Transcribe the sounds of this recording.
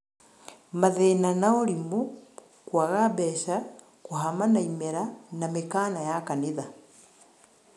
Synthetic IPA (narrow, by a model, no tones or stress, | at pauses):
maðenanaoɾimu | kwaɣaβɛʃa | kuɦamanaimeɾanamekaːnajakaniða